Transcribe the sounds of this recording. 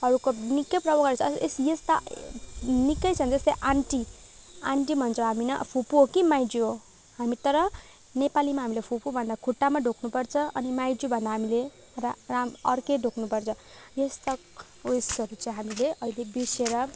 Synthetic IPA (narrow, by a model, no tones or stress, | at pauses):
ʌɾukonikːʌprʌbʌkʌt͡sʰsesjest̪a | nikːʌjt͡sʰʌnd͡zʌst̪ajʔaɳʈi | aɳʈibʱʌnt͡sʰoɦaminʌ̰pʰupuɦokimajd͡zuɦo | hamit̪ʌɾʌ | nepalimaɦamilepʰupubʱʌnd̪akʰuʈːamaɖʱoknupʌrt͡sʰʌʌnimajd͡zubʱʌnd̪aɦamile | raamʌrkeɖʱoknupʌrt͡sʰʌ | jest̪a | esʌɾut͡sʌĩɦamileʔʌilebiseɾʌ